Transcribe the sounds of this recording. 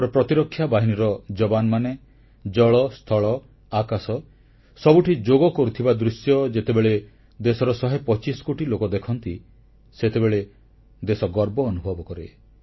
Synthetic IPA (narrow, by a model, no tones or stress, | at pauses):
ɾɔpɾɔt̪iɾɔkʰːjabaɦiniɾɔd͡ʒɔbanɔmane | d͡ʒɔɭɔst̪ʰɔɭɔ | akasɔ | sɔbuʈʰid͡ʒoɡɔkɔɾut̪ʰibad̪ɾusjɔd͡ʒet̪ebeɭe | d̪esɔɾɔsɔɦepɔt͡ʃisɔ̥koʈilokɔd̪ekʰɔnt̪i | set̪ebeɭe | d̪esɔɡɔɾbɔːnubʱɔbɔkɔɾe